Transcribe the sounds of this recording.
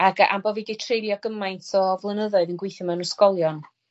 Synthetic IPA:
aɡa̰mbɔviɡetʰrejɾjɔɡ̥əmajntʰɔvlˠənəðɔɨðənɡwejθjɔmɛnəskɔlˠjɔn

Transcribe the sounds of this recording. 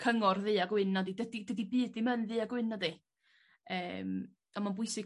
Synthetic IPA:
kʰəŋɔrðɨːaɡwɪnɔdidədidədibɨːdðimənðɨaɡwɪnɔdi | əːm | ɔnmanbʊɨsɪ

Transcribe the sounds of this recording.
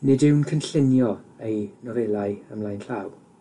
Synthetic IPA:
nɪdɪwnkʰənɬɪnjɔejnɔvɛlˠaɨəmlˠajnɬaw

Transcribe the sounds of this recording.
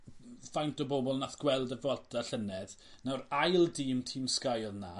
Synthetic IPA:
fajntɔbobɔlˠnaθɡ̥wɛlˠdəvɔdaɬənɛd̥ | nawrajlˠdiːmtʰimskajlˠna

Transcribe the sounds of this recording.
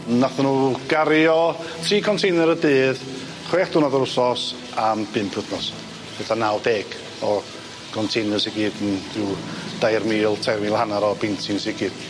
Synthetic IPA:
naθənuːɡ̥aɾjɔtʰriːkʰɔntʰejnəɾədɨːð | χweːχd̥ʊnɔðɔɾʊsɔs | amb̥ɨmpʰʊθnɔs | b̥etʰanalˠdeːɡ̥ | ɔ | kʰɔntʰejnəsɪɡiːdənd̥ɪd̥ajrmiːlˠtʰajrmiːlˠhanaɾɔbɪntʰɪnsɪɡiːd̥

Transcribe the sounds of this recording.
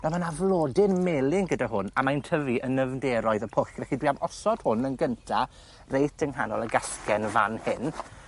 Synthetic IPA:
namanavlˠoːdɪnmeːlˠɪŋɡədaɦʊna̰majntʰəviʔənəvndɛɾɔɨðəpʰʊχvɛχidwiamɔsɔd̥hʊnənɡəntʰa | rejtəŋɦanɔlˠəɡaskɛnva̰nhɪn

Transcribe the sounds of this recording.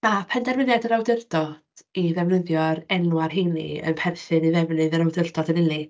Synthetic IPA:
mapʰɛndɛrvəðjadəɾawdɪrd̥ɔd̥iðɛvnəðjɔɾɛnwarɦinḭə̰npʰɛrθɨniðɛvnɨðəɾawdɪrd̥ɔdənɪlˠi

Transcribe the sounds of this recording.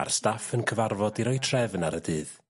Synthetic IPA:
a̰rstafənkʰəvarvɔdiɾɔjtʰrɛvnaɾədɨːð

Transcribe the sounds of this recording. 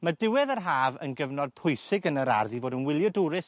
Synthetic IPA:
mədɪwɛðarɦaːvə̰nɡəvnɔd̚pʰʊjsɪɡənəɾa̰rðivoːdənwɪlˠjɔdʊɾɪs

